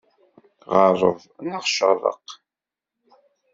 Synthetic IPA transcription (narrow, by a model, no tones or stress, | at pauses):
ʁəɾˤə̰ðˤ | nəʁʃə̰ʁɾˤə̰q